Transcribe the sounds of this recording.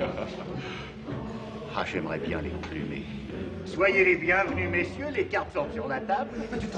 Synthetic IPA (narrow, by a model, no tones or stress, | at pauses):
ha̰ʒɛmʁɛbjɛ̰̃lḛkɔ̃ply̰mḛ | swajelebjɛ̃vnymesjølekaʁt̪sɔ̃syʁlat̪abl